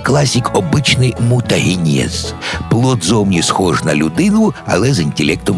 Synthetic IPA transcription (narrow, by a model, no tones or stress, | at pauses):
klˠɑsʲikɔbɪt͡ʃnɪjmut̪ɐɦinʲɛ̰z̥plˠɔd̪zɔwmnʲisxɔʒnɐlʲud̪ɪnʊɐ̰lˠɛzinʲtʲelʲɛk̚t̪ɔm